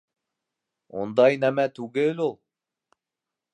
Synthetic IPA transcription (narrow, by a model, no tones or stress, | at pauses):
ṵnd̪ɑjnæmæt̪ʉɡɘlʲulˠ